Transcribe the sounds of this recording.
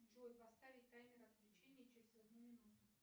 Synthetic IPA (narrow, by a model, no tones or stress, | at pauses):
ʐojpɐst̪avʲɪt̚ʲk̪ajmʲɪɾɐt̪lʲɪt͡ɕenʲɪjət͡ɕɪɾʲɪzɐd̪numʲɪnut̪ʊ